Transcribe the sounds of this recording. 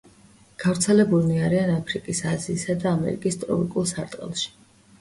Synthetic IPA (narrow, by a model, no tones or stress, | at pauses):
ɡ̥avɾt̪sʰɛlɛbulˠniaɾianapʰɾikʼisaziːsad̪aːmɛ̰ɾḭkʼist̪ʼɾɔ̰pʼikʼulˠsaɾt̪ʼqʼɛ̰lˠʃi̥